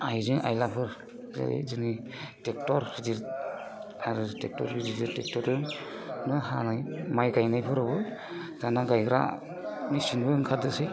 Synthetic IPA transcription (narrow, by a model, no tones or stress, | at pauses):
ajzɯŋa̰jlapʰɯɾ | zḛzɯni | tek̚tɔɾhidiɾ | aɾɯtek̚tɔ̰ɾhidiziɾtek̚tɔɾɯŋ | nɯhanajmajɡajnajpʰɯɾɯbɯ | zanaɡajkɾa̰ | misinbɯɯŋkʰadɯse